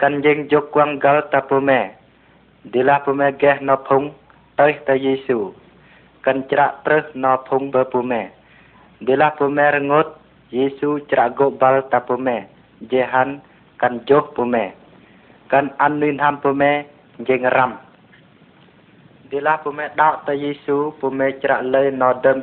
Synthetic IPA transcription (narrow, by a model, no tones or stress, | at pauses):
kanɲd͡ʒeŋd͡ʒokːwaŋɡalt̪apomɛ | d̪elahpomɛɡɛhnɔpʰuŋ | t̪əjht̪ajesuː | kant͡ɕɾaʔt̪ɾəhnɔpʰuŋbəpumɛː | delahpomɛɾəŋot̪̚ | jesuːt͡ɕɾaʔɡoʔbalt̪apomɛː | d͡ʒeɦan | kand͡ʒohpomɛː | kənʔanːujnampomɛː | ɲd͡ʒeŋɾam | delahpomɛːɗaɔʔt̪əwjesuːpomɛːt͡ɕɾaʔləjnɔdəm